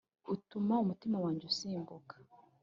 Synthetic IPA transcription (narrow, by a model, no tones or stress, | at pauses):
utumaumutimawaːɲɟeusiːmbukḁ